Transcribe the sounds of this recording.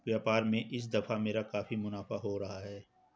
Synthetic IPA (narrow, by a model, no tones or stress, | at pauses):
ʋjaːpaːɾmẽʔɪs̬d̪ɐfameːɾakaːfimʊnaːfaɦoɾɐɦaɦɛː